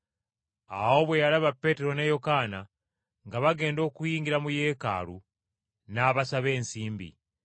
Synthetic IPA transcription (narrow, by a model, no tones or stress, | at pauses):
a̰ho̞βwe̞jalaβapːe̞teɾo̞nejo̞kaːna | ŋɡaβaɡe̞ːndo̞ːkujiːŋɡiɾamujeka̰ːɾṵ | naːβasaβe̞ːnsiːmbḭ